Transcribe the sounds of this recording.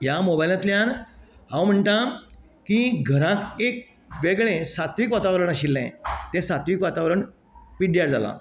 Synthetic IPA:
jamobajlãt̪ljanɦãwm̤əɳʈa | kiɡʱəɾãkek̚ | ʋeɡɭẽsat̪ʋiːkʋat̪aʋɾəɳaɕilːɛ̰̃t̪ẽsat̪ʋiːkʋat̪aʋɾəɳ | piɖjaɽd͡za̰la̰

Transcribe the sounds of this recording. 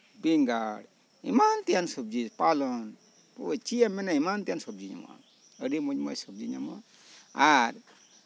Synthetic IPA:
biŋɡaɽ | ḭmant̪ijansub̚d͡ʒid͡ʒpalɔn | pot͡ʃijamɛnaimant̪ijansɔb̚d͡ʒiɲa̰ma̰ | əɽimuɲmɔjsub̚d͡ʒiɲa̰ma | aɾ

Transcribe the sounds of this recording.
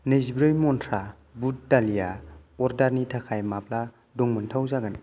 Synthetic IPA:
nejzibɾɯjmɔntʰɾa | but̚dalijaɔɾdaɾnitʰakʰajmap̚la | dɔŋmɯntʰawzaɡan

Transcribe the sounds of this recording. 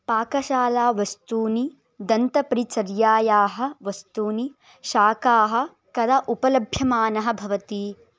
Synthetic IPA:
paːkɐʃaːlaːʋɐst̪uːni | d̪ɐnt̪ɐpɾit͡ʃɐɾjaːjaːɦɐ̆ʋɐst̪uːni | ʃaːkaːɦɐ̆ | kɐd̪ɐʔupɐlɐbʱjɐmaːnɐɦɐ̆bʱɐʋɐt̪i

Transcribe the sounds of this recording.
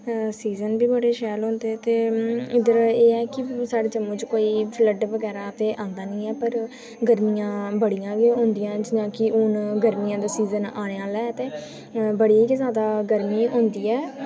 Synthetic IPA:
siːzənbiːbəɽeːʃɛːlɦõːnd̪eːɛːt̪eːɪd̪əɾeːɛːkɪsaːɖeːd͡ʒəmõːt͡ʃkoːiːpʰləɖʋəɡɛːɾaːt̪eːʔãːnd̪aːnĩːɛːpəɾ | ɡəɾmijãːbəɽijãːɡeɦʊ̃nd̪ɪjãːd͡ʒnãːkɪʊnɡəɾmiːjãːd̪aːsiːzənaːɽ̃eaːlɛːt̪eː | bəɽiːikːzjaːd̪aːɡəɾmiːɦõːnd̪iːɛː

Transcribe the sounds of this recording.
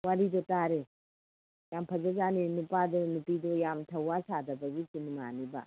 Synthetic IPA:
waɾidɔtaɾe | jampʰɐzɐzaninupadɔnupidojamtʰɐwasadɐbɐɡit͡ʃinma̰niba̰

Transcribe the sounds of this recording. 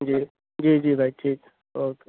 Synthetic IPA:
d͡ʒi | d͡ʒiːd͡ʒiːbʱaʈʰik | ok

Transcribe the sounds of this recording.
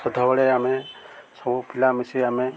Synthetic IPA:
sɔd̪ʱɔbɔɭeamesɔbupʰilamisiame

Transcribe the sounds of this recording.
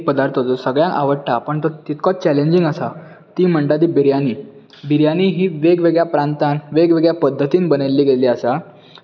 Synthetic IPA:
pəd̪aɾt̪ʰot̪ɔsəɡɭjãŋka̰ʋəɽʈapəɳt̪ət̪it̪kʰɔt͡ɕɛleɲd͡ʑiŋɡəsa | t̪iːm̤əɳɖad̪iːbiɾjaniː | biɾjaniːɦiːʋeɡʋeɡɭjapɾãnt̪anʋeɡʋeɡɭjapəd̪ʱːət̪iːnbənelːiːɡeliasa

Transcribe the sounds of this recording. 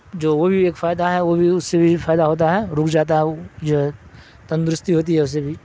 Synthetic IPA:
d͡ʒoːʋobʱieːkfaːɪd̪aɦɛʋobʱiʊsːebʱifaːɪd̪aɦoːt̪̬aɦɛɾʊːkʰd͡ʒaːt̪̬aɦɛd͡ʒoːɦɛ | t̪ɐ̃nd̪ɾʊst̪iɦoːt̪̬iɦɛʊs̬ːebʱi

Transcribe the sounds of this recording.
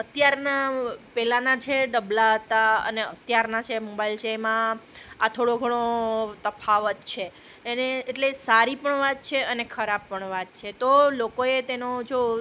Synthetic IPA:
ət̪jaɾnapɛlanat͡ʃʰeɖəblaət̪aə̰neə̰t̪jaɾnat͡ʃʰemobailt͡ʃʰemãat̪ʰoɽoɡʱəɽ̃ot̪əfʰaʋət̪t͡ʃʰeː | neeʈlesaɾipəɳʋat̪̚t͡ʃʰeənekʰəɾab̚pəɳʋat̪̚t͡ʃʰet̪olokoet̪enod͡ʒo

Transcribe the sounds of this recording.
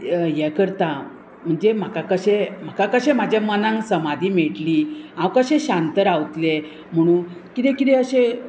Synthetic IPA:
jɛkəɾt̪a | m̤əɳd͡zem̤akakəɕem̤akakəɕem̤ad͡ʑamənãŋsəmad̪ʱiːmeʈliːãwkəɕẽɕãnt̪əɾawt̪le | m̤əɽ̃ũːnkid̪ɛkit̪eəɕẽ

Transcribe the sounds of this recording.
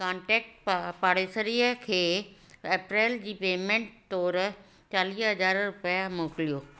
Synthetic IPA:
kãːɳʈɛːk̚ʈppaːɽeːsəɾiːəkʰeː | eːpɾeːld͡ʑiːpeːmẽɳʈt̪ɔːɾ | t͡ɕaːliːɦɐd͡ʑaːɾɾʊpijamoːkɪlijoː

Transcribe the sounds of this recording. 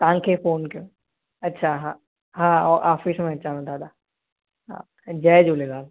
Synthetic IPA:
t̪ãːŋkʰefoːnkõ | ɐtːʃʰaɦã | ɦãːɔːɾʔaːfismẽɐʃaːnõd̪aːd̪a | ɦã̰ | d͡ʒɛːd͡ʒoːleɡaːl

